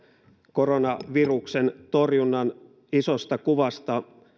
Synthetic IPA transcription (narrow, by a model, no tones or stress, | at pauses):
koronɑʋiruksent̪o̞rjunːɑn | isost̪ɑkuʋɑst̪ɑ